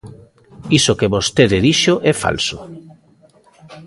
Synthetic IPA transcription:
isokeβost̪eðeðiʃoʔɛfa̰lso

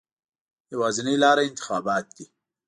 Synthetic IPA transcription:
jawɑːzɪnilɑːɾaɪnt̪ɪ̥xɑːbɑːt̪̚d̪i

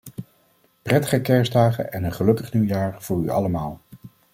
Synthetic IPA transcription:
prɛtə̥χəkɛɹzdaːχə̰nʔɛnənχəlɵkəχniwjaːɹv̥ʊːɹy̰ɑ̰ləmaːlˠ

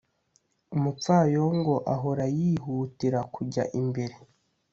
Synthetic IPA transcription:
umupp͡faːjoŋɡo̞ʔaɦoɾajiɦuːtiɾakuɟa̰ʔimbe̞ɾe̞

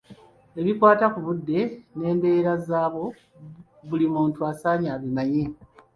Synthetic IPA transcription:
e̞βikwaːtakuβudːe̞ne̞ːmbe̞ːɾazaːβo̞ | βulimuːntuasaːɲaβimaje

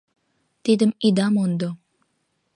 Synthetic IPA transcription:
t̪id̪əmid̪ɑmond̪o

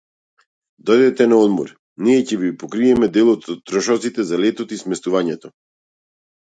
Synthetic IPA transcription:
d̪ɔjd̪ɛt̪ɛnaɔd̪mɔ̰ɾ | niɛcɛbipɔkɾiɛmɛd̪ɛlˠɔt̪t̪ːɾɔʃɔt̪sit̪ɛzalɛt̪ɔt̪ismɛst̪uvaɲɛt̪ɔ

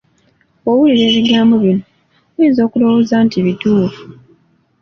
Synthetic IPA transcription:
owuliɾe̞ːβiɡaːmboβino | wiːzo̞ːkulowozaːntiβituːfu

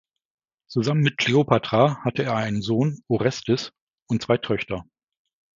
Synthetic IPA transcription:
t͡suzamənmɪt̚kʰl̥eopʰatʁ̥ahatəeːɐaɪnənzoːnoʁɛstəs | ʊntt͡sv̥aɪtʰœçtɐ

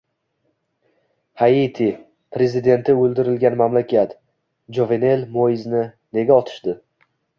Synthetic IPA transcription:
hait̪ʰi | pɾe̞zɪd̪e̞nt̪ɪɵlˠd̪ɪɾɪlɡʲanmamlakʲʰat̪ | d͡ʒovene̞lmojɪznɪ | ne̞ɡʲaɒt̪ʰɪ̥ʃd̪ɪ

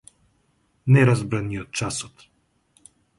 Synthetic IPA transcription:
nɛɾazbɾaniɔt̪̚t͡ʃasɔt̪

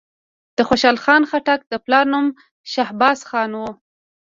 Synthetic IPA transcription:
d̪̥əxoʃɑlxɑnxaʈak̚d̪əplɑɾnum | ʃahbɑsxɑnwu

